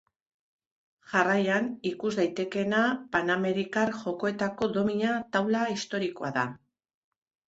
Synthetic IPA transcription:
ʝarajanikuzðajt̪e̞ke̞napaname̞ɾikaɾʝo̞ko̞e̞t̪ako̞ðo̞miɲat̪awlaist̪o̞ɾiko̞aða

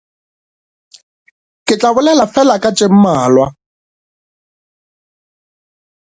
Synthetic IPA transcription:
kʼɪt͡ɬʼaβʊlɛlafɛlakʼat͡ʃʼɪm̩maːlwa

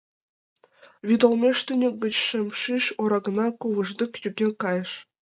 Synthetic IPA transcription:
ʋʲid̪olˠmʲeʂt̪ʲɘnʲɘ̆ɡʲɘ̆t͡ɕʂɘ̆mʲʂiʃoɾɑɡ̆nɑkuʋɤ̆ʐd̪ʲɤ̆kjyɡʲekɑjɤ̆ʂ

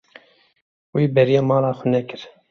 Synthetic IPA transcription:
wiːbɛɾijɑːmɑːlɑːxʷʊnɛkɨɾ

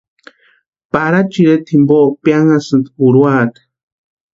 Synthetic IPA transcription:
paɾat͡ʃiɾet̪ʰimboʔpjaŋasɨnt̪puɾuaːt̪ḁ

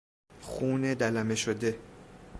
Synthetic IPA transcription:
xuːned̪ælæme̞ʃod̪e̞

